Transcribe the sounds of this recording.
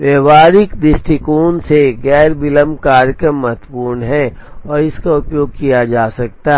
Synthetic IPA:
ʋeːʋaːɾɪkd̪ɪsʈɪkoːnseɡɛːɾbɪləmkaːɾjəkɾəmːət̪puːɾnɦɛ̃ | ɔːɾɪskaʊpjoːɡ̚kijad͡ʒaːsɐk̚t̪aɦ

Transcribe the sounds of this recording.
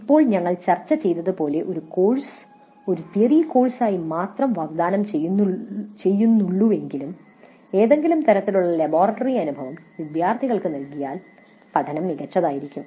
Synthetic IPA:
ipːo̞ːɭɲɐŋːɐɭt͡ɕɐrt͡ɕːɐt͡ɕe̞jt̪ːɐðɨpo̞ːle̞ʔo̞ɾukoːɭs | o̞ɾut̪iɐriko̞ːɭsaːjimaːt̪rɐmʋaːɡd̪aːnɐmt͡ɕe | t͡ɕe̞jːunːuɭːuʋe̞ŋɡilum | e̞ːðe̞ŋɡilumt̪ɐɾɐt̪ːiluɭːɐlɐbo̞ːrɐʈːɐriɐnubʱɐʋɐmʋid̪jaːrt̪ʰiɣɐɭkɨnɐlkijaːl | pɐd̪ʱɐnɐmːiɣɐt͡ɕːɐðaːjiɾikʲːum

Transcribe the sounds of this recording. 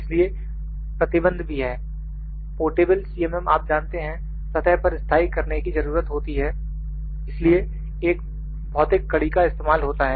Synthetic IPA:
ɪslie | pɾɐt̪ɪbə̃nd̪ʱbʱiɦɛː | poːɾʈeːbəlsiːɛmɛmaːp̚d͡ʒãːnt̪eɦɛ̃ | sɐt̪ɛɦpɐɾɪst̪ʰaːɪkɐɾnekizɐɾuːɾət̪ɦoːt̪iɦɛː | ɪslie | eːk̚ | bɔːt̪ekːɐɽikaɪst̪eːmaːlɦoːt̪aɦɛː

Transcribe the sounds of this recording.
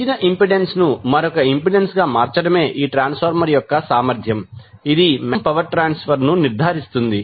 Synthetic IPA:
inɐʔimpiɖe̞nsnumɐɾɔkɐimpiɖensɡaːmaːɾt͡ʃɐɽɐme̞ːʔiːʈɾaːnspʰɐɾmɐɾjɔkːɐsaːmɐɾd̪ʱjɐmid̪imɐmpɐʋɐɾʈɾaːnspʰɐɾnuniɾd̪ʱaːɾist̪und̪i

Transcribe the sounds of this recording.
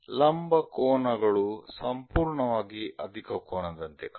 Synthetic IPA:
lɐmbɐkoːnɐɡɐɭusɐmpuːɾɳɐʋaːɡiʔɐd̪ʱikɐkoːɳɐd̪ɐnt̪ek

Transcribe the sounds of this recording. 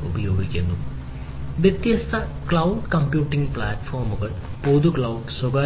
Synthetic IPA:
ubɐjo̞ːɡikʲːunːu | ʋjɐt̪jɐst̪ʰɐkɭɐwɖkɐmpjuːʈːiŋɡpɭaːʈfoːrmuɣɐɭpoːd̪ukɭɐwɖsoɡaː

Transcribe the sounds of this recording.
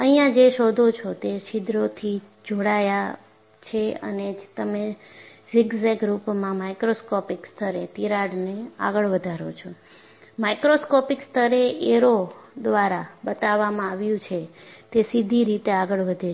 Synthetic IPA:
əɦijãd͡ʒeʃod̪ʱot͡ʃʰot̪eʃɪd̪ɾot̪ʰi | d͡ʒoɽaja | t͡ʃʰeə̰net̪əme | zɪɡzeɡɾupmãmajkɾoskɔpikst̪ʰəɾet̪iɾaɽnea̰ɡəɭʋəd̪ʱaɾo̰t͡ʃʰo | majkɾoskɔpikst̪ʰəɾeʔeɾod̪ʋaɾabət̪aʋːamãaʋjũt͡ʃʰet̪esid̪ʱiɾit̪eaɡəɭʋəd̪ʱe

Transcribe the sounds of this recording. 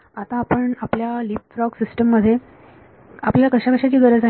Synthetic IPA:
at̪ãːpəɳapljalip̚fɾɔksisʈəmːəd̪ʱːje | apljalakəɕakəɕat͡ɕiːɡʱəɾət͡sa

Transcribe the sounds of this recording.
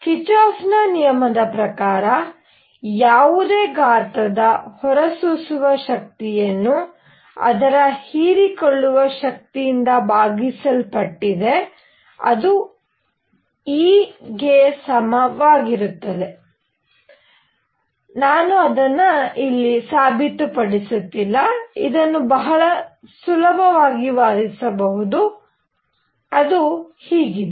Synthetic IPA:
kit͡ʃaːsnɐnijɐmɐd̪ɐpɾɐkaːɾɐ | jaːʋud̪eːɡaːɾt̪ɐd̪ɐhɔɾɐsusuʋɐʃɐk̚t̪ijɐnːu | ɐ̰d̪ɐɾɐhiːɾikɔɭːuʋɐʃɐk̚t̪ijind̪ɐbaːɡisɐlpɐʈːid̪e̞ | ɐ̰d̪u | iːɡesɐmɐʋaːɡiɾut̪ːɐd̪e̞ | naːnuɐd̪ɐnːɐilːisaːbʱit̪upɐɽisut̪ːilːɐḭd̪ɐnːubɐɦɐɭɐsulɐbʱɐʋaːɡiʋaːɾisɐbɐɦud̪u | ɐd̪uhiːɡid̪e

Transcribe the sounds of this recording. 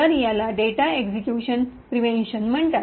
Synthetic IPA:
əɾjalaɖeʈaeɡsekjuɕənpɾiʋẽnɕənm̤əɳt̪a

